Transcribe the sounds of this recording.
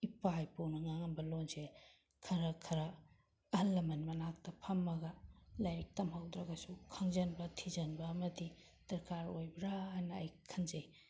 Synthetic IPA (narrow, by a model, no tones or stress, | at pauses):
ipajpuwnɐŋaŋɐnbɐlonse | kʰɐɾɐkʰɐɾɐː | hɐlːɐmɐnmɐnak̚tɐpʰɐmːɐɡɐlajɾik̚tɐmhawd̪ɾɐɡɐsukʰɐŋzɐnbɐtʰizɐnbɐːmɐdi | d̥ɐɾkaɾojbɾaːjnɐːjkʰɐnzej